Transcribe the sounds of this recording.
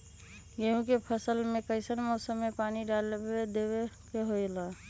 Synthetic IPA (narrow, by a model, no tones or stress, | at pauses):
ɡeũkepʰəsəlmẽkəɪsəɾmɔːsəmːepaːniɖaled̪ewekeɦoila